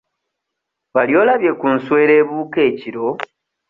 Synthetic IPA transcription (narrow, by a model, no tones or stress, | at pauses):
βaljo̞ːlaβje̞kunswe̞ːɾe̞ːβuːke̞ːciɾo̞